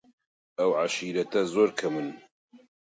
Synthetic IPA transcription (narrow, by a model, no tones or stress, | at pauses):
ɐwʕaʃiːɾɐt̪ɐzoːɾkʰɐmɨn